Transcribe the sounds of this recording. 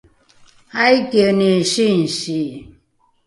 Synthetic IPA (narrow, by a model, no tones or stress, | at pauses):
aikeneʃin̩si